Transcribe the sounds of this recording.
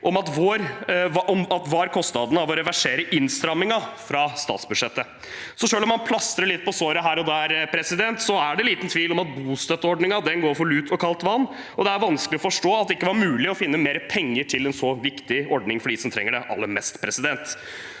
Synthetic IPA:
ʔɔmɑt̪ʋoːɾʔɔmɑt̪ʋɑɾkʰɔst̪nɑd̪ənɑʋɔɾɛʋæʂeːɾəʔɪnst̪ɾɑmːɪŋɑfɾɑst̪ɑ̰ːt̪sbʉd̪ʂɛt̪ːə | sɔʂøːlɔmːɑnpʰlɑst̪ɾəɭɪt̪̚ːpʰɔsoːɾəɦæːɾɔd̪æɾpʰɾɛsɪd̪ɛnt̪sɔæɖɛliːt̪n̩t̪ʰʋiːlɔmɑt̪̚buːst̪œt̪ːəɔɖɳɪŋɑd̪ɛnɡoːɾfɔɭʉːt̪ʰɔkʰɑlt̪ʋɑnː | ɔd̪ɛæɾʋɑnskəlɪɔfɔʂʈoːɑt̪̚d̪ɛɪkːəʋɑɾmʉːlɪɔfɪnːəmeːɾəpʰɛŋːəʈʰɪlɛnsɔʋɪkt̪ɪɔɖnɪŋfɔɖiːsɔmt̪ʰɾɛ̰ŋːəɖɛʔɑ̰lːəɾmɛst̪pʰɾɛsɪd̪ɛnt̪

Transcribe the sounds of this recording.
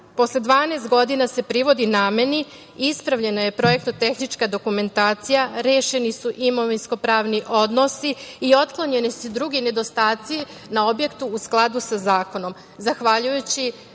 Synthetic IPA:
po̞slˠed̪ʋaːnest̪ɡo̞d̪inase̞pɾiʋo̞d̪inaːme̞ni | ispɾaʋʎe̞naje̞pɾo̞je̞k̚t̪ot̪e̞xnit͡ʃkad̪o̞kume̞nt̪aːt̪sijaɾeːʃe̞nisuʔimo̞ʋinsko̞pɾaːʋniʔo̞d̪no̞siːo̞t̪klˠoɲe̞nisud̪ɾuɡine̞d̪o̞st̪aːt̪si | nao̞bje̞kt̪uːsklˠad̪usazaːko̞no̞m | zaxʋaʎujut͡ɕi

